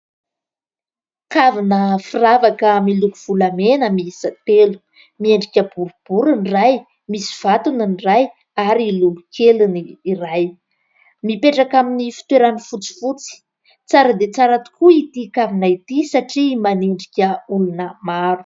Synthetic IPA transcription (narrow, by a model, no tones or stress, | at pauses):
kavinəfiravakəmilukuv̥ulamenəmisət̪elu̥ | mieɳɖ͡ʐikʲəbuɾub̥uɾinraj | misi̥v̥at̪uninraj | aɾilulukʰeluniːɾaj | mipeʈ͡ʂakaminifi̥t̪weɾanifut͡si̥fut͡si̥ | t͡saɾəd̪et͡saɾat̪u̥kuit̪ikavinait̪isaʈ͡ʂimaneɳɖ͡ʐikʲəulunəmaɾu̥